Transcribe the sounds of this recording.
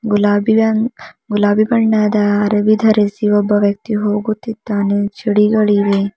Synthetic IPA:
ɡulabi | ɡulaːbibɐɳːad̪aːɾɐbid̪ʱɐɾesiʋɐbɐʋjɐk̚t̪iɦoːɡut̪it̪ːaːnet͡ʃʰiɽiɡɐɭiʋe

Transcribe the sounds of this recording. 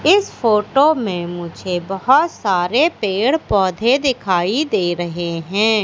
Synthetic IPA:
ɪspʰoːʈoːmẽmʊd͡ʒʱebəɦʊt̪saːɾepeːɽpɔːd̪ʱed̪ɪkʰaːid̪eːɾəɦeɦɛ̃ː

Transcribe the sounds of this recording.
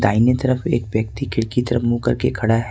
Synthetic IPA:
d̪aːɪnet̪ɐɾəfḛːkbjək̚t̪ikʰɪɽkit̪ɐɾəfmukɐ̰ɾkekʰɐɽaɦ

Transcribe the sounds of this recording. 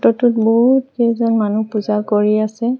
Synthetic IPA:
tɔtʊtboɦutkɛzɔnmanupuzaɹkoɹiasɛ

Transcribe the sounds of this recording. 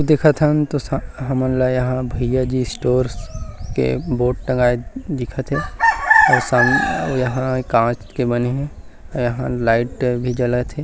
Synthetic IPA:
d̪ekʰət̪ɦənt̪osɦəmənlajɐɦãbʱəɪjad͡ʒisʈoːɾskḛboːʈ̚ʈə̃ŋɡaːed̪ɪkʰət̪ɦɛ̃ɔːɾsəmjɐɦãkãːt͡ʃkebəneɦɛ̃ɔjɐɦãlaːɪʈbʱid͡ʒələt̪ɦɛ̃

